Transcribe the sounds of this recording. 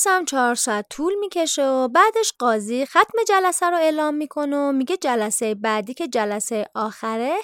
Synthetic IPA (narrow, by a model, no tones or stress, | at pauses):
sæmt͡ʃʰɒːɾsɒæt̪ʰːuːlmiːcʰe̞ʃeobæːd̪eʃɢɒːziːxæt̪me̞d͡ʒælæsæɾoe̞ːlɒːmːiːkʰo̞nomiːɡed͡ʒælæsejebæːd̪iːcʰe̞d͡ʒælæsejeʔɒːxæɾe